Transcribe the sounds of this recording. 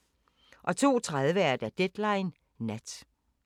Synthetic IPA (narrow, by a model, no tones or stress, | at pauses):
ʔɒ̽t͡sʰo̝̰ːt͡sʰʁað̞ˠʋəæɐd̥æd̥ed̥lɑ̈ɪnː | æd̥